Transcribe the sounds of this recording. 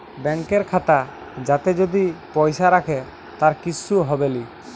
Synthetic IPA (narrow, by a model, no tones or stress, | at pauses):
bɛŋkeɾkʰat̪a | d͡ʒat̪ed͡ʒod̪ipɔjʃaɾakʰe | t̪aɾkit͡ʃʰːuɦɔbeli